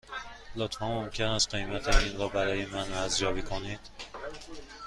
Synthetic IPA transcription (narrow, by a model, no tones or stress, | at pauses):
blot̪ʰfæmːomcʰe̞næst̪̚ɢe̞jmæt̪ʰeinɾɒːbæɾɒːje̞mænæzjɒːbikʰonid̪̥